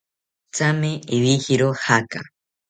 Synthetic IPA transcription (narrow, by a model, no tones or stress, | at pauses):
t͡sameeβihiɾohaka̰